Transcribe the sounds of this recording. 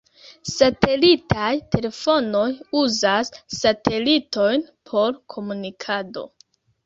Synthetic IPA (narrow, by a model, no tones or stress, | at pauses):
sate̞litʰajtʰe̞le̞fo̞no̞juzasːate̞lito̞jnpʰo̞ɾkʰo̞munikʰado̞̰